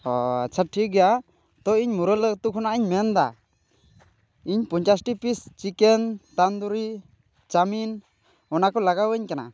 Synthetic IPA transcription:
t͡ʃʰaʈʰːiɡɛja | t̪ɔiɲmuɾələɡt̪ukʰɔnaʔiɲmɛnd̪a̰ | iɲpɔɲt͡ʃasʈipist͡ʃikɛnt̪and̪uɾi | t͡ʃamin | ɔnakɔlaɡawəɲkana̰

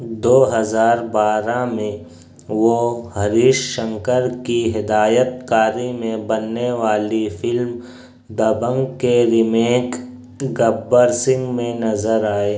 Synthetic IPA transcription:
d̪oːɦəzaːɾbaːɾamẽ | ʋoɦɐɾiːʃʃə̃ŋkəɾkiɦɪd̪aːjət̪̚kaːɾimẽbənːeʋaːlifʰɪlm | d̪ɐbə̃ŋɡkeɾɪmeːk | ɡɐbːəɾsɪ̃ŋɡmẽnɐzəɾaːeː

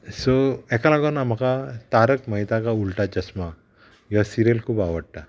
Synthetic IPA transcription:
soɛkalaɡonam̤akat̪aɾəkməjt̪akaulʈad͡ʑəsma | jasiɾelkʰuːpaʋəɽ̚ʈ̪a

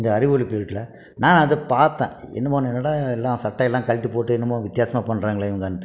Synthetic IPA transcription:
ɪnd̪ɐɐɾɪʋoɭipːiːʈːlɐ | naːnɐðɯpaːɾt̪ã̰ːɛ̰nːɐmaːnɛnːɐɽaɛlːãːsɐʈːɐɛlːãːkɐɭɪʈːɯpoːʈːɯɛnːɐmãːʋɪt̪jaːsɐmaːpɐɳːɾaːŋɡɐɭɐɛʋɐŋɡɐnːɯt̪ːɯ

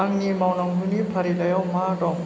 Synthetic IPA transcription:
aŋnimawnaŋɦunipʰaɾilajawmadɔŋ

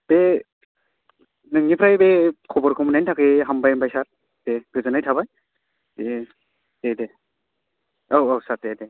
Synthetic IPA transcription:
b̥e | nɯŋipʰɾajbekʰɔbɔɾkʰɔmunajntʰakɯɦambajmbajsaɾ | d̥eɡɯzɯnajtʰabaj | be | tede | owowsaɾtede

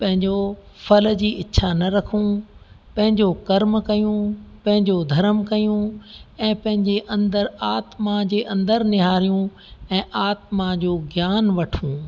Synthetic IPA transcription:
pɐ̃ɦɪ̃ɲd͡ʑo | fɐl̆d͡ʑiːɪːʃʰanɐɾɐkʰũ | pɐ̃ɦɪ̃ɲd͡ʑokɐɾmkɐjũpɐ̃ɦɪ̃ɲd͡ʑod̪ʱɐɾəmkɐjũɛ̃ːpɐ̃ɦɪ̃ɲd͡ʑeʔɐ̃nd̪əɾaːt̪mãd͡ʑeːʔɐ̃nd̪əɾnɪɦaːɾijũ | ɛ̃ːʔaːt̪mãd͡ʑoːɡjaːnʋɐʈʰũː

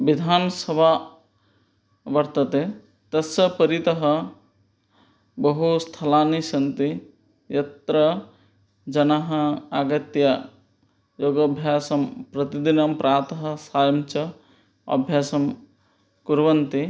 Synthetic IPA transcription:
bid̪ʱaːnsɐbʱa | bɐɾt̪ɐt̪e | t̪ɐsɐpəɾit̪ɐɦɐ | bɐɦust̪ʰɐlaːnisɐnt̪i | jɐt̪ɾə | d͡ʒɐnaɦɐaɡɐt̪ja | joːɡɐbʱjaːsɐmpɾɐt̪id̪inɐmpɾʔaːt̪əɦɐsaːjmt͡ʃɐ | ɐ̰bʱjaːsɐm | kuɾʋɐnt̪i

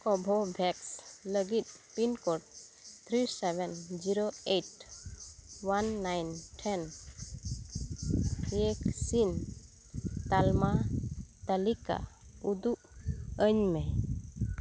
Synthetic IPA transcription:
kɔbʱɔbʱɛksləɡit̪̚pinkɔʈ̚t̪ʰɾisɛbɛnd͡ʒiɾoeʈ | wanːajnʈʰɛn | eksin | t̪almat̪əlika̰ud̪uʔəɲmɛ

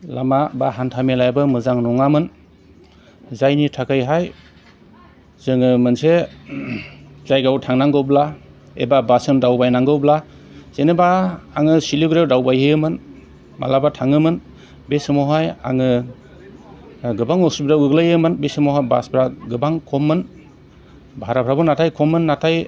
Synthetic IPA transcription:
lamabaɦantʰamelajbɯmɯzaŋnɔŋamɯn | zajnitʰakʰɯjɦaj | z̥ɯŋɯmɯnse | zajɡawtʰaŋnaŋɡɯwbla | ḛbabasɯndawbajnaŋɡɯwbla | z̥enɯbaaŋɯsiliɡɾewdawbajɦɯjɯmɯn | ma̰labatʰaŋɯmɯn | besɯmɔɦaja̰ŋɯ | ɡɯbaŋɔsubɾawɡɯɡlajɯmɯnbesɯmɔwɦajba̰sbɾaɡɯbaŋkʰɔmːɯn | baaɾapʰɾabɯnːatʰajkʰɔmɯnːatʰaj

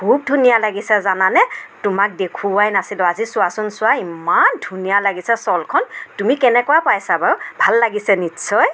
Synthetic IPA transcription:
b̥ʱub̚dʱunijalaɡisɛzananɛtʊmak̚dekʰuajnasilɔazisʊasɔnsʊwaimandʱunijalaɡisɛsɔlkʰɔntumikɛnɛkɔwapajsabaɹbʱalːaɡisɛnitsɔj

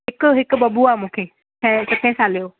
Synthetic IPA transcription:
ɦɪkʊɦɪkʊbɐbuaːmũːkʰeː | ɛ̃sɐt̪ʰẽsãːlijoː

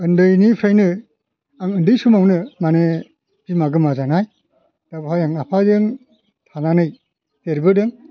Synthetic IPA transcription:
ɯndɯjnipʰɾajnɯ | aŋɯndɯjsumawnɯmane | bimaɡɯmazanaj | d̥abɯɦajaŋapʰadɯŋ | tʰananɯj | teɾbɯdɯŋ

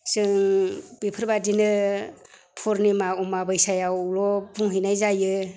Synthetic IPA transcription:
sɯŋbipʰɯɾbadinɯ | pʰɔɾnimaumabɯjsajawlɔbuŋɦinajzajɯ

